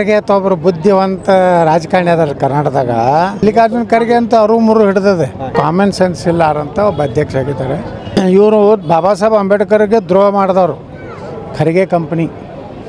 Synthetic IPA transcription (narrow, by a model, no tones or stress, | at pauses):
kɾɡeɐt̪ɐɐbɐɾubud̪ʱːiʋɐnt̪ɐɾaːd͡ʒɐkaːɳjaːd̪ɐɾɐkɐɾnaːɽɐd̪aːɡɐlːikaːd͡ʒminkʰɐɾiɡeɐnt̪ɐɐɾumuɾuɦiɽd̪ɐd̪ekaːmensensilːaːɾɐnt̪ɐobːɐɐd̪ʱjɐkʂaːɡit̪ːaːɾeiʋɾubʱaːbaːsɐbɐɐmbeʈikɐɾiɡed̪ɾɔːɦɐmaːɽd̪aːʋɐɾu | kʰɐɾiɡekɐmpɐni